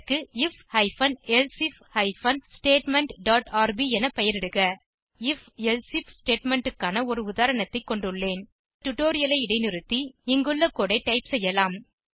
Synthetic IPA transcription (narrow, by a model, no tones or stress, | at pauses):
kːɯɪfhɐɪfɐnɛlsɪfhɐɪfɐnsʈeːʈmɛɳʈɖaːʈaːɾbiɛnɐpɛjɐɾɪɽɯɣɐ | ɪfɛlsɪfsʈeːʈmɛɳʈɯkːaːnɐɔɾɯʊðaːɾɐɳɐt̪ːɐɪkːɔɳɖɯɭːeːn | ʈʈʊʈoːɾɪjɐlɐɪɪɽɐɪnɪɾɯt̪ːiɪŋɡɯlːɐkːoːɽɐɪʈːɐɪpsɛjːɐlaːm